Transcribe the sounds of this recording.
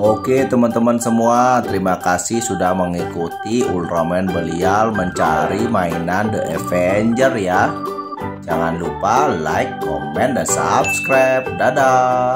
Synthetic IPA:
oket̪əmənt̪əmansəmuat̪əɾimakasɪhsudahməŋikut̪iulromɛnbəlialməɲt͡ʃaɾimainandəʔəfɛɲd͡ʒərja | d͡ʒaŋanlupala̰ikːo̰mɛndansa̰p̚skɾap̚dada

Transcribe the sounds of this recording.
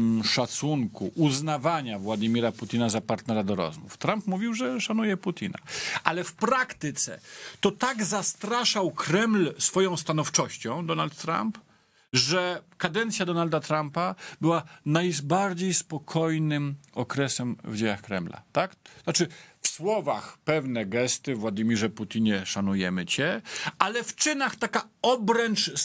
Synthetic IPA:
ʂat̪suŋkuʔuznavaɲavwad̪imʲiɾaput̪ʲinazapaɾt̪nɛɾad̪ɔɾɔ̰zmṵft̪ɾampmuvʲiwʐɛʂanujɛput̪ʲina̰ʔalɛfpɾakt̪ɘt̪sɛ̰t̪ɔt̪aɡzast̪ɾaʂawkɾɛmlsfɔjɔ̃w̃st̪anɔft͡ʂɔɕt͡ɕɔ̃w̃d̪ɔnalt̪ːɾa̰mp | ʐɛkad̪ɛnt̪sʲjad̪ɔnald̪at̪ɾampabɘwanajbaɾd͡ʑejspɔkʰɔjnɘmɔkɾɛsɛmvd͡ʑejaxkɾɛmla̰t̪ak̪at͡ʂɘfswɔvaxpɛvnɛɡɛst̪ɘvwad̪imʲiʐɛput̪ʲiɲɛʂanujɛmɘt͡ɕɛalɛft͡ʂɘnaxt̪akaɔbɾɛnt͡ʂ

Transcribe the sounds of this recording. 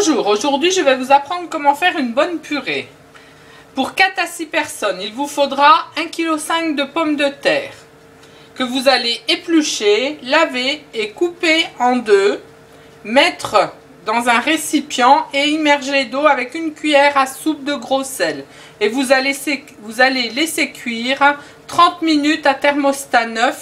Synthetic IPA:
bɔ̃ʒuːʁoʒuʁd̪ɥiʒəvɛvuzapχɑ̃d̪ʁəkɔmɑ̃fɛʁynbɔnpʰyʁe | puʁkat̪asipɛʁsɔnilvufod̪ʁaɛ̃kʲilosɛ̃kd̪əpɔmd̪ət̪ɛːʁ | kəvuzaleeplyʃelaveːkupeɑ̃d̪ø | mɛt̪χə | d̪ɑ̃zɛ̃ʁesipjɑ̃eimɛʁʒeled̪oavɛkynkʲɥijɛʁasup̚d̪əɡʁosɛl | evulee | vuzalelesekʲʰɥiʁ | t̪χɑ̃t̪minyt̪at̪ɛʁmɔst̪anœf

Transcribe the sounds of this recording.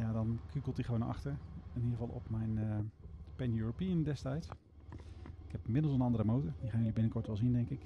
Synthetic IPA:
jaːdɑnkʰykəlˠtiχʋonʔɑ̰χtəɹɪnidəʁəvɑlˠʔɔ̰pmɛjnəpɛnjuːɹopiəndɛstɛjts | ɪkhɛpɪmɪdlˠsənɑndəɾəmowtəɹdiχaːnjɵlibɪnəkɔɹtʋɛlˠzindɛŋkɪk

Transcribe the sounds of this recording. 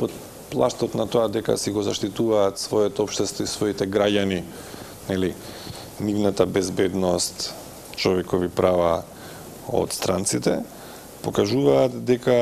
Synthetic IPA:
pot̪ | plˠaʃt̪ɔt̪nat̪oad̪ɛka̰siɡɔzaʃt̪it̪uvaːt̪svɔɛt̪ɛɔpʃt̪ɛst̪vɔisvɔit̪ɛɡɾaɟani | nɛli | nivnat̪abɛzbɛd̪nɔst̪ | t͡ʃɔvɛkɔvipɾava | o̰t̪st̪ɾant̪sit̪ɛ | pɔkaʒuvaːt̪d̪ɛka

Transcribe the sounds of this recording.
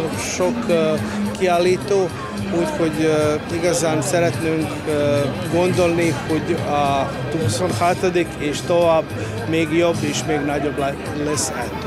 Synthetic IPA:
ʃok | kiaːlːiːt̪oː | uːcho̞ɟiɡɒzaːnsɛɾɛt̪neːŋkː | ɡo̞nd̪o̞lniho̞ɟɒ | t̪uːsonhɒt̪od̪ikeːʃt̪o̞vaːb | meːɡjo̞bːeːʃmeːɡnɒɟo̞blɛ | lɛsɛ̰t̪ː

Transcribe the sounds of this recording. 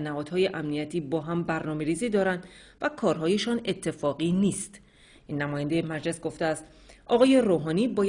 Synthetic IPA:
næhɒːd̪̥hɒːje̞ʔæmnijæt̪ʰiːbɒːɦæmbæɾnɒːme̞ɾiːziːd̪ɒːɾænd̪ | vækʰɒːɾɦɒːjeʃɒːne̞t̪ʰːe̞fɒːɣiːniːst̪ | ʔiːnːæmɒːjænd̪e̞jemæd͡ʒle̞sɡo̞ft̪eæst̪ | ɒɣɒːje̞ɾoːɦɒːniːbɒː

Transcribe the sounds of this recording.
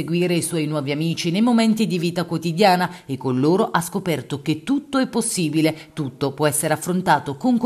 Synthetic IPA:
eɡwiːɾeiswɔjnwɔːviamiːt͡ʃinejmomɛnt̪id̪iviːt̪akwot̪id̪jaːnaekːonloːɾoʔaskopɛrt̪ok̟et̪ːut̪ːoɛpːosːiːbilet̪ut̪ːopwɔɛsːeɾeafːɾont̪aːt̪okoŋk

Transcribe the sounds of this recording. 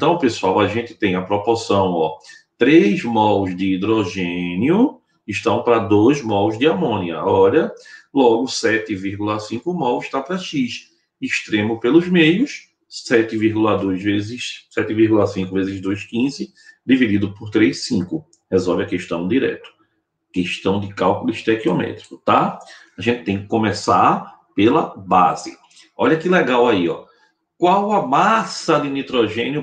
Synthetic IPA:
ẽt̪ɐ̃w̃pesuawɐʒẽnt̪ɪ̥t̪ẽj̃ɐpɾopɔsɐ̃w̃ɔ | t̪ɾejzmɔwzd̪iid̪ɾoʒẽniʊ | iʃt̪ɐ̃w̃pɾɐd̪ojzmɔwzd̪ɪamõniɐ̰ɔʎɐlɔɡʊsɛt̪ɪviɾɡulɐsĩkʊmɔwɪʃt̪apɾɐʃiʃ | iʃt̪ɾẽmʊpelʊzmejʊs | sɛt̪ɪviɾɡulɐd̪ojzvezɪʃsɛt̪ɪviɾɡulɐsĩŋkʊvezɪzd̪ojskĩzɪ | d̪ivid̪id̪ʊpoɾt̪ɾejʃsĩkʊ | hɛzɔvɪɐkeʃt̪ɐ̃w̃d̪iɾɛ̰t̪ʊ̥ | keʃt̪ɐ̃w̃d̪ɪkawkʊliʃt̪ɛkiɔmɛ̰t̪ɾikʊ̥t̪aaʒẽt̪ɪt̪ẽj̃kɪ̥kõmɛsaɾ | pelɐba̰zɪ̰ | ɔʎɐkɪlɛɡawaiɔ̰ | kwawɐmasɐd̪ɪnit̪ɾɔʒẽnjʊ

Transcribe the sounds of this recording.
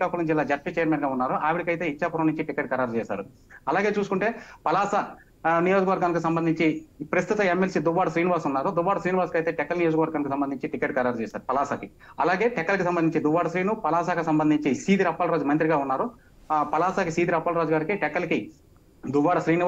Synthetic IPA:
kɐkulɐd͡ʒilːaːd͡ʒɐʈ̚pit͡ʃɛjɐɾmeːnɡaːunːaːɾuʔaːʋiɽikɐjt̪e̞ːit͡ʃːaːpɐɾɐmnuɲt͡ʃiʈikeːʈ̚kɐɾaːɾt͡ʃɛːsa̰ːɾu | ɐlaːɡe̞ːt͡ʃuːs̬ukuɳʈeːpɐlaːsɐ | nijo̞ːd͡ʒɐkɐʋɐɾɡaːnkisɐmbɐnd̪ʱiɲt͡ʃipɾɐst̪ut̪ɐemːelsid̪uʋːaːɽɐsɾiːniʋaːɾsunːaːɾud̪uʋːaːɽɐsɾiːniʋaːskɐjt̪e̞ːʈɛkːɐlɐnijoːd͡ʒɐkɐʋɐɾɡaːnkis̬ɐmbɐnd̪iɲt͡ʃiʈikeʈ̚kɐɾaːɾt͡ʃɛːsaːɾupɐlaːsaːki | ɐlaːɡe̞ːʈɛkːɐlɐkisɐmbɐnd̪iɲt͡ʃid̪uʋːaːɽɐsɾiːnupɐlaːsaːkisɐmbɐnd̪ʱiɲt͡ʃisiːd̪iɾɐpːaːlɐɾoːd͡ʒumɐnt̪ɾiɡaːunːaːɾu | pɐlaːsaːkisiːd̪iɾɐpːaːlɾoːd͡ʒɡaːɾikiʈɛkːɐlɐki | d̪uʋːaːɽɐsɾiːni

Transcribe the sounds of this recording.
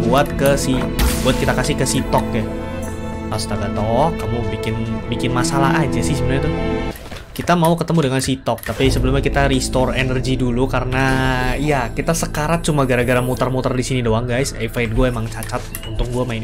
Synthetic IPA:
buat̪̚kəsibuat̪̚kit̪akasɪhkəsit̪ɔkja | ast̪ak̪at̪ɔhkamubikɪnbikɪnmasalaɦad͡ʒasɪhsəbənɲat̪ʊ | kit̪amaukət̪əmudəŋansit̪ɔk̚t̪apisəbəlʊmɲakit̪aɾist̪ɔrenərɡidulukaɾənaijakit̪asəkaɾat̪̚t͡ʃumaɡaɾaɡaɾamut̪ərmut̪ərdisinidoaŋɡajsefaɪt̪̚ɡuaemaŋt͡ʃat͡ʃat̪̚ | unt̪ʊk̚ɡuamaɪn

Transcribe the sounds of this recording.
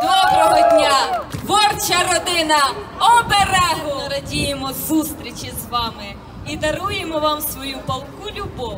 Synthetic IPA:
d̪ɔbɾɔɦɔdʲnʲat̪ʋɔrt͡ʃɐɾɔd̪ɪnɐɔbeɾɛɦɔɐɾɐdʲijemɔzust̪ɾʲit͡ʃizʋɑmɪ | id̪ɐɾujemɔʋɑmsʋɔjupɐlˠkulʲubɔw

